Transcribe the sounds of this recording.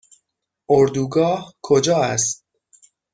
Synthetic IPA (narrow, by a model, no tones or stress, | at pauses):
ʔoɾd̪uːɡɒːhkʰod͡ʒɒːæst̪̚